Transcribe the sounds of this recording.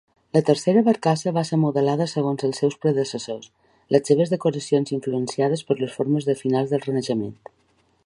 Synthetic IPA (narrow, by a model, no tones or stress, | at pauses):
lət̪əɾseɾəβəɾkasəβaseɾmuðəlaðəsəɣonzəlˠsːɛwspɾəðəsəsos | ləsseβ̞əzðəkuɾəsionziɱfluənsiað̞əspəɾləsfoɾməzðəfinalzðəlˠrənəʒəmḛnt̪